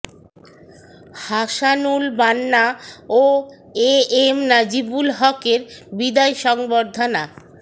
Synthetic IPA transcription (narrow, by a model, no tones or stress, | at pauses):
haʃanulbanːao | eemnad͡ʑibulɦɔkeɾbid̪ajʃɔŋboɾd̪ʱana